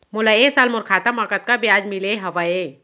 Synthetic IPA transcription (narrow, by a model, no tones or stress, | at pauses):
mʊlaeːsaːlmʊɾkʰaːt̪amakət̪̚kabijaːd͡ʒmɪleɦɐʋae